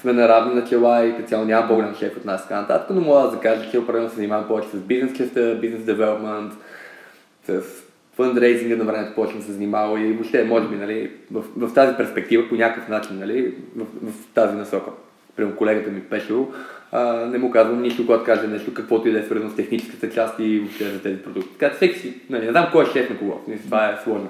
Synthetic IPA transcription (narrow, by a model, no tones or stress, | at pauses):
smɛnɐɾavnɛnɐt͡ʃɛlˠaikt̪sʲjalˠonʲamɐpoɡolamʃɛkot̪nast̪ə̥ɡanɐt̪a̰t̪ə̥kənomɔɡəd̪ɐzɐkaʒət͡ʃɛopɾɐd̪ɛlnsznimavɐmpɔvɛt͡ʃɛ̥səsbiznɛst͡ʃɛft̪əbiznɛsd̪ɛvɛlˠəpmɛnt̪ | səs | fənd̪ɾɛjsiŋɡənɐvɾɛmɛt̪o̥pɔvɛt͡ʃɛmsɛzɐnimalˠoimoʃt̪ɛmɔʒɛbinɐlivəfvəft̪azipɛɾspɛk̚t̪ivəponʲakkəfnat͡ʃinːɐlivəfvɐft̪azinɐsɔkə | pɾimɛkolɛɡət̪əmipɛʃɛlˠoənɛmukazvəmniʃt̪okɔt̪̚kaʒɛnɛʃt̪ʊkəkvɔt̪oid̪ɛsvəɾznost̪ɛxnit͡ʃɛ̥skət̪ət͡ʃast̪ivopʃt̪ɛzɐt̪ɛzipɾod̪uk̚t̪ʲi̥t̪kat͡ʃɛ̥fsɛki̥sinɐlinɛzamkɔɛʃt͡ʃɛsnokoɡɔ̰smist̪ovaɛslˠɔʒno